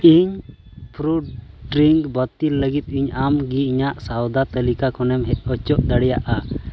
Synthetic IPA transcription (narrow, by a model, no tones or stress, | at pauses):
iɲ | pʰɾuɖɖɾiŋɡbət̪ilːəɡit̪̚ˀiɲamɡiiɲaʔsawd̪at̪əlikakɔnɛmɦɛɔt͡ʃɔʔd̪aɽɛjaʔa